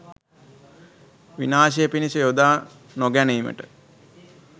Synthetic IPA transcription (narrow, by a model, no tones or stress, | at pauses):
ʋinaːʃejəpinisejod̪aː | noɡæniːmə̰ʈə